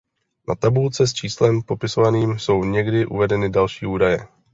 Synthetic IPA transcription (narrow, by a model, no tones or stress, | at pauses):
nat̪abult͡sɛs̬t͡ʃiːslɛmpo̞pɪsovaniːmso̞wɲɛɡdɪʔṵvɛdɛnɪdalʃiːʔuːdajɛ